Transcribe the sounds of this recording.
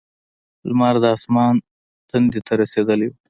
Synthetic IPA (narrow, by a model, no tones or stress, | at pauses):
lmɑɾd̪əɑsmɑn | t̪and̪it̪ʰaɾased̪əl